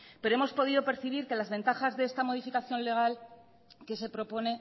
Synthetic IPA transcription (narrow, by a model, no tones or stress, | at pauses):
pe̞ɾoemo̞spo̞ð̞iðo̞pe̞ɾθiβ̞iɾke̞lazβe̞nt̪axazðeest̪amo̞ð̞ifikaθjo̞nle̞ɣ̞al | ke̞se̞pɾo̞po̞ne̞